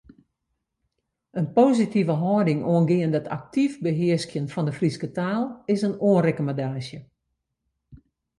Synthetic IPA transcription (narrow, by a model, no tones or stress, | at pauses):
ənpoːzitivəɦɔːdɪŋoənɡɪəndɔtʰa̰k̚tifbəɦɪəskjənfɔndəfriskətaːlˠɪsənoənrekomadaːʃjə